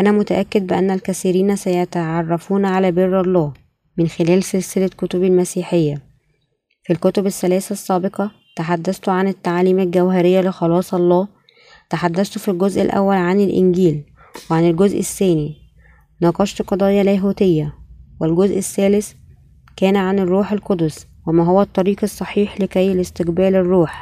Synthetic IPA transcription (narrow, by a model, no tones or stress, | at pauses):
ʔænæmʊt̪æʔækːed̪̚bɪʔænːælkæsiːɾiːnsæjæt̪æʕɑrˤːɑfuːnʕalæːberːɑlˤːɑː | mɪnxelæːlselselækot̪obelmæsiːħejːæ | filkot̪obæsːælæːsæsːæːbeqɑ | t̪aħad̪ːæst̪oʕanet̪ːaʕaliːmælɡæwɦæɾejːælexɑlɑːsˤɑlˤːɑː | t̪aħad̪ːæst̪ofilɡozʔelʔæ̰wːælʕanelʔɪ̰nɡiːl | weʕanelɡozʔɪsːæːni | nɑːqɑʃt̪qɑd̪ˤɑːjɑlæːɦuːt̪ejːæwelɡozʔesːæːles | kæːnʕanerːuːħelkod̪ʊs | wemæɦowːæt̪ˤːɑɾiːqesˤːɑħiːħlekæjlest̪eqbæːlerˤːuːħ